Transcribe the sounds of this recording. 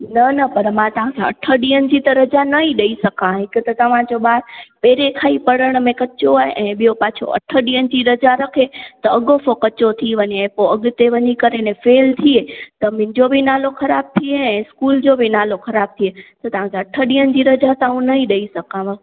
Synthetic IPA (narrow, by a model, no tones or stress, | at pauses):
nɐnɐpɐɾmãt̪ɐʋ̤ãkʰaɐ̰ʈʰəɗiːənɪ̆d͡ʑit̪ɐɾɐd͡ʑanɐiɗɐisɐkãɦɪkət̪ɐt̪ɐʋ̤ãd͡ʑoɓaːɾpeːɾekʰaːipɐɽəɽ̃mẽkɐt͡ɕoaːɦeʔɛ̃ːɓijopaːt͡ɕʰo̰ʔɐ̰ʈʰəɗiənɪ̆d͡ʑiːɾɐd͡ʑaɾɐkʰet̪ɐɐɠofokɐt͡ɕot̪ʰiʋɐɲeẽpoɐɠʊt̪eʋɐɲikɐɾenɛ̃feːlt̪ʰiet̪ɐmɪ̃ɪ̃ɲd͡ʑobʱinaːlokʰɐɾaːb̚t̪ʰieɛ̃ːskuːld͡ʑobʱinaːlokʰɐɾaːb̚t̪ʰiet̪ɐt̪ɐʋ̤ãkʰeɐʈʰəɗiːənɪ̆d͡ʑiːɾɐd͡ʑat̪aɦũnɐiɗɐisɐkãːʋə